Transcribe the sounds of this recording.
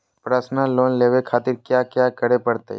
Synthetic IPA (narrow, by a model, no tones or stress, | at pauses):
pɾaːsnaloːnleːʋekʰaːt̪ɪɾkjaːkjaːkəɽepəɽt̪ḛ